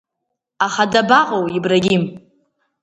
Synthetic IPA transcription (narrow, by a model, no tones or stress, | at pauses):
aχadabaqʼowibraɡʲim